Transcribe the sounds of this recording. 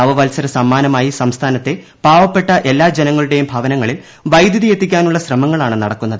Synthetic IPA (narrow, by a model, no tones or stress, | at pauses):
ɐʋɐʋɐlsɐɾɐsɐmːaːnɐmaːjisɐmst̪ʰaːnɐt̪ːe̞ | b̥ʱaːʋɐpːe̞ʈːɐʔe̞lːaːd͡ʑenɐŋːɐɭuɽe̞jumbʱɐʋɐnɐŋːɐɭil | ʋɐjd̪ʱjɐðije̞t̪ːikʲːaːnuɭːɐɕrɐmɐŋːɐɭaːɳɨnɐɽɐkːunːɐðɨ